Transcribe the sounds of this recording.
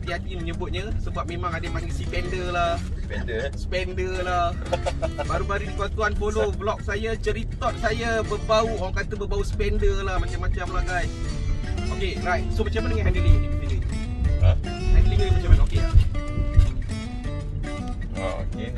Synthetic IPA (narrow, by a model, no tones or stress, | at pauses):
t̪iad͡ʒinməɲəbʊt̪̚ɲəsəbap̚mẽmãŋademaŋɡisipɛndəlahɛdəsəpɛndəlah | baɾubaɾidikuant̪uanpoloblɔk̚sajat͡ʃəɾit̪ɔt̪̚sajabərbauowaŋkat̪əbəbausə̥pɛndəlahmat͡ʃamːat͡ʃamlaɡaj | okeraj̚somat͡ʃamanəŋaɛndiliɦidimidilə | nak̚liŋəmat͡ʃamanokea | o̰o̰ke